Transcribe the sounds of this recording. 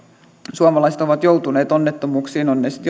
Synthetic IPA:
suɑmɑlɑiset̪oʋɑt̪jout̪uneːt̪onːet̪ːomuːksiːnonːesi̥t̪

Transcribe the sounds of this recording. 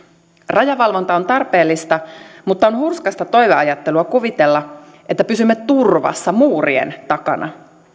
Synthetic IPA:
rɑjɑʋɑlʋo̞nt̪ɑo̞nt̪ɑrpe̞ːlːist̪ɑmut̪ːɑonhurskɑst̪ɑt̪o̞jʋeɑjɑt̪ːeluɑkuʋit̪elːɑ | ʔe̞t̪ːæpysymːet̪urʋɑ̰sːɑmuːriḛnt̪ɑkɑ̰nʔɑ̰

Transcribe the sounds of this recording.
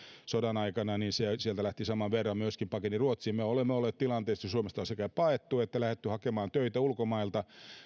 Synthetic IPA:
sodɑnɑikɑnɑninsesielt̪ælæht̪isɑmɑʋʋerːɑmmyøskimpɑkeniruot̪siːmmeolemːeolːeːt̪t̪ilɑnt̪eːst̪ːɑsuomest̪ɑsekæpɑet̪ːuet̪ːælæhet̪ːyhɑkemɑːnt̪øit̪æulkomɑilt̪ɑ

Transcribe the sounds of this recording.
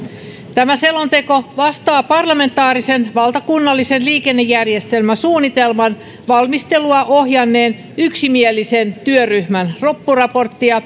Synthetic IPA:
t̪æmæselont̪e̞ko̞ʋɑst̪ɑːpɑrlɑme̞nt̪ɑːrisenʋɑlt̪ɑkunːɑlːisenliːke̞nːejːærjest̪e̞lmæsuːnːit̪elmɑn | ʋɑlmist̪e̞luɑʔo̞hjɑnːe̞ːn | yksimielːise̞nt̪yøryhmænropːurɑpo̞rt̪ːiɑ

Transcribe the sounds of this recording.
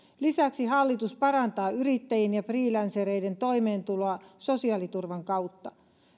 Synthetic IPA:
lisæksiɦɑlːit̪uspɑɾɑnt̪ɑːyɾit̪ːæjenjɑfriːlænseɾe̞jde̞nt̪o̞jme̞ːnt̪ulo̞ɑso̞siɑːlit̪urʋɑŋkɑwt̪ːɑ

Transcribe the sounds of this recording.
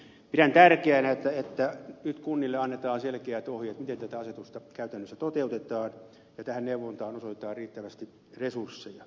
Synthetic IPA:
pidænt̪ærkeænæet̪ːæet̪ːænyt̪kunːilːeɑnːet̪ɑːnselkeæt̪ohjet̪mit̪ent̪æt̪æɑset̪ust̪ɑkæyt̪ænːøsːæt̪ot̪eut̪et̪ɑːn | jɑt̪æhænneuʋːont̪ɑːnosot̪et̪ɑːrriːt̪ːæʋæst̪i | resursːejɑ

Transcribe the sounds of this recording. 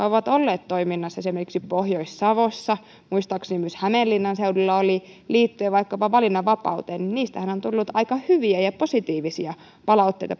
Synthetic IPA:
oʋɑt̪olːeːt̪t̪oiminːɑsːɑesimerkiksipohjoisːɑʋosːɑ | muist̪ɑksnimmyshæmelːinːɑnseudulːɑoli | liːt̪ːyæʋɑikːɑpɑʋɑlinːɑʋɑpɑ̰ut̪eːnninniːst̪æhænont̪ulːut̪ɑikɑhyʋiæjɑposit̪iːʋisiɑ | pɑlɑut̪ːeijt̪ɑ

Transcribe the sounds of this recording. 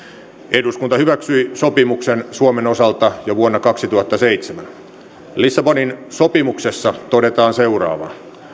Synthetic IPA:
eduskunt̪ɑhyʋæksyisopimuksensuomeno̞sɑlt̪ɑjoʋuonːɑkɑksit̪uhɑt̪ːɑseit̪semæn | lisːɑboninsopimuksesːɑt̪odet̪ɑːnseurɑ̰ːʋɑ̰

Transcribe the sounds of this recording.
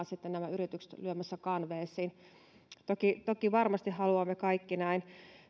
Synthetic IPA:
nsit̪ːennæmæyɾit̪ykse̥t̪lyømæsːækɑnʋeːsːˑiːn | t̪okit̪okiʋɑrmɑst̪ihɑluɑmːekɑikːinæin

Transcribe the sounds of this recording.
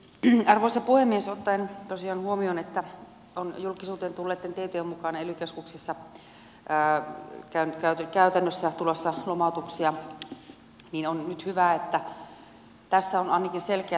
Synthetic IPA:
ɑrʋoˑsɑpuhemːiesot̪ːɑent̪osiɑːnhuomionet̪ːæ | onjulkisuːt̪eːnt̪ulːeːt̪ːent̪eht̪øjemmukɑnelykeskuksesːɑː | kæynt̪kæyt̪kæyt̪ænːøsːæt̪ulosːɑlomɑˑut̪uksiɑ | ninonnyt̪hyʋæet̪ːæ | t̪æsːæonɑˑinɑkinselkeæ

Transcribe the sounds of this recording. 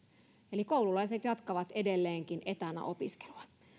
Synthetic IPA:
elikoululɑiset̪jɑt̪kɑʋɑt̪e̞delːeːŋkinʔet̪ænæ̰ʔo̞piske̥luɑ

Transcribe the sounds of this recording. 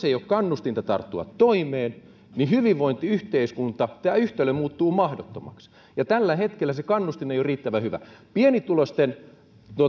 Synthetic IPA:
seijokkɑnːust̪int̪ɑt̪ɑ̰rt̪ːuɑ̰t̪ːoimeːn | nihyʋiʋʋoint̪iyht̪eiskunt̪ɑt̪æːyht̪elːømmuːt̪ːuːmɑhdot̪ːomɑ̰ks | jɑt̪ælːæhet̪kelːæsekɑnːust̪inːeijoriːt̪ːæʋæhyʋæ̰pienit̪ulost̪en | t̪uo

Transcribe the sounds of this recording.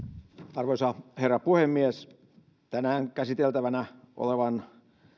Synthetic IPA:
ɑrʋoisɑherːɑpuhemːies | t̪ænæːŋkæsit̪elt̪æʋænæʔo̰leʋɑn

